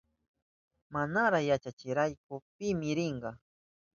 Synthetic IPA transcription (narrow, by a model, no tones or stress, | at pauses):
manaɾaχjat͡ʃat͡ʃɪɾajkʊpɪmɪɾɪɴɢɑ